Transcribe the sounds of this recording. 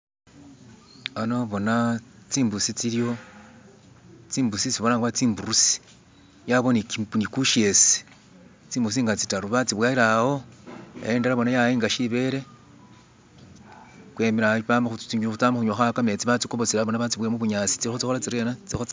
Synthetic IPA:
ano̞βo̞nat͡siːmbusit͡siljo̞ | t͡siːmbusit͡siβolaŋɡaβat͡siːmbuɾusi̥ | jaβo̞niknikuʃe̞si̥ | t͡siːmbuɾus̬iŋɡat͡si̥taɾuβat͡siβwaiɾaho̞ḛjeːndaɾaβo̞najaiːŋɡaʃiβe̞ɾe̞ | kwe̞miɾaβamaxut͡siɲut͡samaxuɲoxakame̞t͡siβat͡sikoβot͡silaβonaβat͡siβwemuβuɲaːt͡si̥t͡siixot͡sixolat͡siɾenat͡sixo

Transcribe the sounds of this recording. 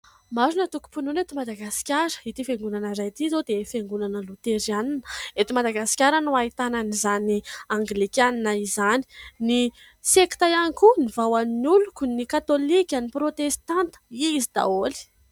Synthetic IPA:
mazunət̪uku̥pununet̪imad̪aɡasi̥kʲaɾə̥it̪ifeŋɡunanəɾajt̪izod̪efeŋɡunanəlut̪eɾianinəet̪imad̪aɡasi̥kʲaɾənuait̪ananizaniaŋɡlikʲaninaizani̥ni | seki̥t̪ajaŋkunivawannulukunikat̪olikʲaniprot̪est̪ant̪ə̥izid̪a̰oli̥

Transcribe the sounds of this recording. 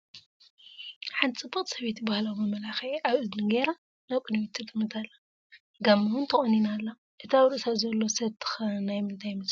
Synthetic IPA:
ħant̪ʰit͡sʼɨbɨχʼsɐβet̪jibahlawmɐmɐlaxeʔaβɨznɨɡeɾa | naβkʼɨnmit̪ʰːɨt̪ʼɨmːɨt̪ʰalːɐ | ɡamːɐwunt̪ʰɐxʼɐninalːa | ʔɨt̪ʰawɾɨʔsazɐlːo̞sɐβt̪ʰːɨ̥xɐnajmɨnt̪ʰajmɨs

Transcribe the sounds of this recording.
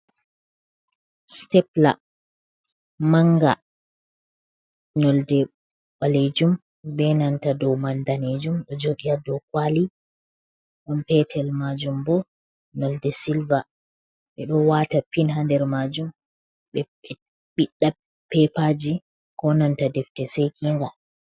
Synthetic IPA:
stɛpla̰ | maŋɡa | nɔldɛ | ɓaled͡ʒum | bɛnantadɔwmandaned͡ʒumɗɔd͡ʒoɡiadɔkwali | ʔɔnpɛtʰɛlmad͡ʒumbɔ | nɔldɛsilva | ɓɛɗɔwatapinɦandɛɾmad͡ʒum | ɓɛ | ɓiɗːa | pɛpad͡ʒi | kɔnantadɛftɛsejkʰiŋɡa

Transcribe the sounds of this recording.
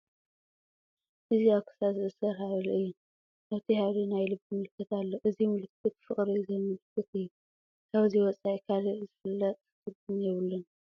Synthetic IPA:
ʔɨziaβkʰɨ̥sazɨʔɨsɐɾhaʕlʔɨjːɪn | ʔaβt̪ʰihalinajlɨbimɨlɨkːɨt̪alːoʔɨzimɨlɨkʰːɨt̪̚fɨχʼɾizɐmɨlɨkʰːɨt̪ɨjːu | ʔaβziwɔt͡sʼaʔikʰaliʔzɨfɨlːɐt̪ʼkɨd̪ɨmjɛβɨlːɨn

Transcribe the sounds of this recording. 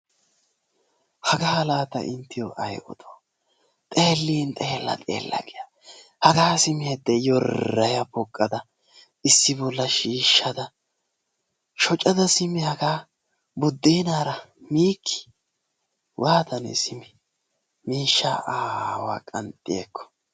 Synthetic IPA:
hɐɡɐhɐlaːt̪ɐ̰ʔɪnt̪ːɪjoʔɐjʔɔ̰t̪ʰoː | t̪ʼe̞ːlːiːnt̪ʼe̞ːlːɐ̰t̪ʼḛːlːɐ̰kɪjɐ | hɐɡaːsɪmɪjɐd̪ːɛjɔrːɐjɐpɔkʼːɐd̪ɐ | ɪsːɪbɔlːɐʃiːʃːɐd̪ɐ | ʃɔt͡ʃʼːɐd̪ɐsɪmɪhɐɡaː | bʊd̪ːeːnaːɾɐmiːkʰːɪ̥ | wʔaːt̪ɐnɛ̰sɪmɪ | miːʃːa̰ʔaːwa̰ːkʼɐnt̪ʼːɪjḛːkːɔ̥

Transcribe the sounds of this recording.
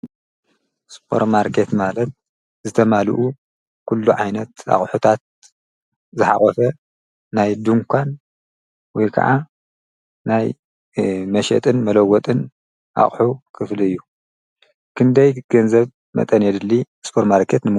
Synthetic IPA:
spʰo̞̰ɾmaɾkʰet̪malɐt̪̚ | zɨt̪ʰɐmalṵʔu | kʰulːuʕajnɐt̪a̰χʼħut̪ʰat̪̚ | zɨħa̰χʼɔfɐː | ajd̪uŋkʰʷan | wɔjkʰɐ̰ʕa | naj | mɐʃɛ̰t̪ʼɨnmɐlɐɡɔt̪ʼɨn | ʔa̰χʼħukʰɨfliɨjːu | kʰɨnd̪ɐjɡ̥ɐnzɐβ | mɐ̰t̪ʼɐnjɛd̪ɨlːi | spʰoɾmaɾkʰet̪nɨm

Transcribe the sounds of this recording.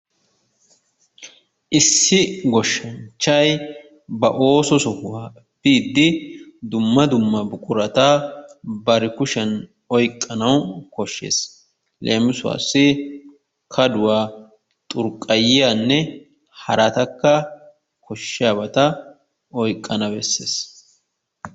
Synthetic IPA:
ʔɪsːɪɡɔʃːɐnt͡ʃːɐj | bɐʔo̞ːsɔsɔhʊwaː | biːd̪ːɪd̪ʊmːɐd̪ʊmːɐbʊkʼʊɾɐt̪a | bɐɾɪkʊʃɛn | ɔjkʼːɐnɐwkɔʃːḛːs | lʔeːmɪsʊwa̰ːsːɪ | kʰɐd̪ʊwaː | t̪ʼʊɾkʼɐjɪjanːɛ | hɐɾɐt̪ɐkːɐ | kʰɔʃːɪjaːbɐt̪ɐ | ɔjkʼːɐnɐbɛsːḛːs

